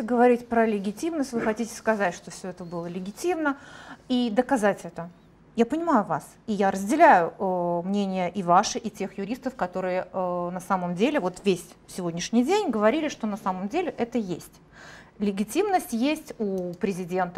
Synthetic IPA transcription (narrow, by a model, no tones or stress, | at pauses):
ɪɡəvɐɾʲitʲpɾəlʲɪɡʲɪtʲimnəsʲt̪ʲvɨxɐtʲitʲɪ̥skɐzatʲʂt̪o̞fsʲɵɛt̪əbɨlˠəlʲɪɡʲɪtʲimnəid̪əkɐzatʲɛt̪ə | japənʲɪmajʊvas | ijaɾəzʲdʲɪlʲæjʊəmnʲenʲɪjəʔɪvaʂɨʔɪtʲe̞xjʊɾʲist̪əfkɐt̪o̞ɾɨjənɐsaməmdʲelʲɪvo̞t̪vʲesʲ | sʲɪvo̞dʲnʲɪʂnʲɪjdʲenʲɡəvɐɾʲilʲɪʂt̪o̞nɐsaməmdʲelʲɪʔɛt̪əjesʲtʲ | lʲɪɡʲɪtʲimnəsʲtʲjesʲtʲupɾʲɪzʲɪdʲe̞nt̪ə